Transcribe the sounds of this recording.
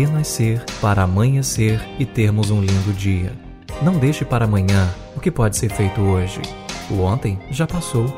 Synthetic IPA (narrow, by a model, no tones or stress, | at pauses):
ẽnɐseɾpaɾɐamɐ̃j̃ɐ̃seɾɪt̪eɾmʊzũlĩnd̪ʊd͡ʒiɐ̰ | nɐ̃w̃d̪ejʃɪpaɾɐaːmɐ̃ɲɐ̃ | ʊkɪpɔd͡ʒɪseɾfejt̪ʊoʒɪ̰uõnt̪ẽj̃ʒapasow